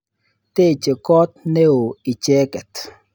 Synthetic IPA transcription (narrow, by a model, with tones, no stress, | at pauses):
t̪e˦˨t͡ʃe˨kɔː˦t̪̚ne˦o˨i˨t͡ʃe˦kɛ˨t̪